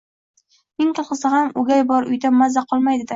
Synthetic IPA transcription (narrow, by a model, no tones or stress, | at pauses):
mɪŋq̪ɨlˠqɨsɪhamʊɡʲajbɒɾʊ̰jd̪amːazaqʰɒlˠmajd̪ɪd̪ɪ